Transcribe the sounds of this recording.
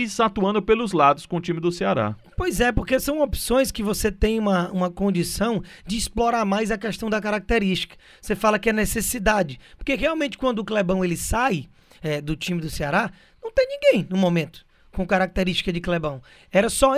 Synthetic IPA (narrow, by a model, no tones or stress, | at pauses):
isat̪uɐ̃nd̪ʊpelʊzlad̪ʊskõʊt͡ʃĩmɪd̪ʊseaɾa̰pojzɛpoɾkesɐ̃w̃opsõj̃skɪvoset̪ẽj̃ũmɐũmɐkõd͡ʒisɐ̃w̃d͡ʒɪːsploɾaɾmajzɐkɛʃt̪ɐ̃w̃d̪ɐkaɾak̚t̪eɾiʃt͡ʃi̥kɐ̥ | vsefalɐkɪɛnesesid̪ad͡ʒɪpo̥ɾkeɦeawmẽt͡ʃɪ̥kwɐ̃nd̪ʊklɛbɐ̃w̃elɪsaj | ɛd̪ʊt͡ʃĩmɪd̪ʊseaɾa | nɐ̃w̃t̪ẽj̃nĩɡẽj̃nʊ̃momẽnt̪ʊ̥ | kõkaɾak̚t̪eɾiʃt͡ʃi̥kɐd͡ʒɪklɛbɐ̃w̃ | ɛɾɐsɔ